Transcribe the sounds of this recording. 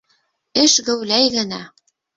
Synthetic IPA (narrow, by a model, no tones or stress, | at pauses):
ɘ̆ʃɣɘ̆wlæjɣə̆nɑ